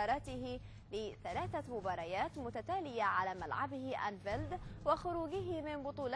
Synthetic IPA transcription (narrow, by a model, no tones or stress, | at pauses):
ɑːɾˤɑːt̪ɪhɪ | lɪθalaːθamʊbɑːɾˤɑjaːt̪mʊt̪at̪aːlɪjaʕalaːma̰lʕabɪhɪʔa̰nfald̪waxʊɾuːɡɪɦɪmɪnbʊt̪ˤuːl